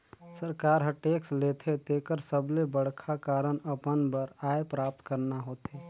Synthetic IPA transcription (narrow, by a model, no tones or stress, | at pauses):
səɾkaːɾɦə̃ʈeːksleːt̪ʰet̪eːkəɾsəblebəɽ̤kʰakaːɾəɳəpənbəɾaːepɾaːp̚t̪kəɾnaɦoːt̪eː